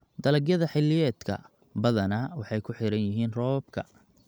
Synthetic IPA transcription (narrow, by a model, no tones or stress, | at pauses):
d̪ɐlɐɡjɐðɐħɪlːɪjɛːd̪kʰɐ̰ | bɐðɐnɐwɑħɑjkʰʊħɪɾɐnjɪɦiːnrɔːb̚kʰɐ